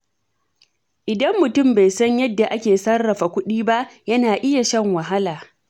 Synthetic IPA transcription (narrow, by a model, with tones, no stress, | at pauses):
ʔɪ˨dɐ˦mːʊ˨tʊ˦˨mba˨jsɐ˦ɲjɐ˦dːa˨ʔa˦kʲeː˨sɐ˦rːɐ˨ɸa˨kʷʊ˦ɗiː˦ba˦ʔjɐ˦naː˨ʔɪ˦ja˨ʃɐ˦ŋwɐ˨ɦa˦laː˨